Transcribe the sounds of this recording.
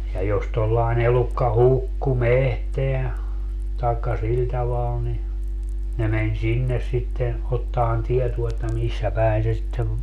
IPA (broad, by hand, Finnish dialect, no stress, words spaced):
jɑ jos tolːɑen elukːɑ hukːu mehteæ tɑekːɑ sil tɑʋɑl ni ne menʲ sinːes sitːen otːɑːn tietuo etːæ misːæ pæˑin se sitːeʋ